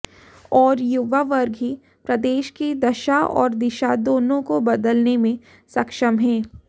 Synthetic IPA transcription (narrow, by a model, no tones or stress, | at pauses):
ɔːɾjuʋaʋɐɾɡɦi | pɾɐd̪eːʃkid̪ɐʃaɔ̰ːɾd̪ɪʃad̪oːnõkobɐd̪əlnemẽ | sɐkʃəmɦɛ̃ː